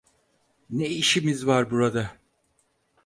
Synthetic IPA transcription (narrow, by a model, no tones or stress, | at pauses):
neiʃimizvaɾbuɾad̪a